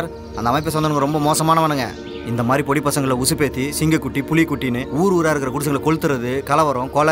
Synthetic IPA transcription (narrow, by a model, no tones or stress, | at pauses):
ɾ | ɐnd̪ɐmɐɪp̬ːɐsɐnd̪ɐnɯŋɡɐɾɔmbɐmoːsɐmaːnɐʋɐnɯŋɡɐ̰ | ɪnd̪ɐmaːd̪ɾipɔɽipːɐsɐŋɡɐɭɪlɐʊsɯpeːt̪ːisɪŋɡɐkːʊʈːipʊlɪkːʊʈːiɪnɯuːɾuːɾaːɪɾɯkːɪɾɐkʊɽɯs̬ɐŋɐɭkɔɻɯt̪ːɯɾɐðɯkɐlɐʋɐɾʊ̃koːlɐ